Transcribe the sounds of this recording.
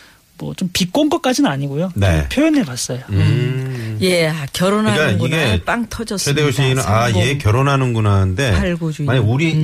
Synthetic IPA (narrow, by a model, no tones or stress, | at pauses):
mwʌt͡ɕompik͈onɡʌk͈ad͡ʑinɯnaɲiɡojone̞̰pʰjojʌneɭpas͈ʌjo | jeakjʌɾonɦakaiɡep͈aŋtʰʌd͡ʑʌsʰedeoɕʰeinɯnajekjʌɾonɦanɯnɡunande̞aɭɡod͡ʑumaɲiuɾi